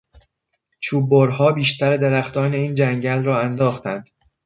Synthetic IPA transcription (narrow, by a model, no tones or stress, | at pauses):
t͡ʃʰuːboɾɦɒːbiːʃt̪ʰæɾed̪eɾæxt̪ʰɒːne̞iːnd͡ʒæŋɟælrɒːænd̪ɒːxt̪ʰænd̪̥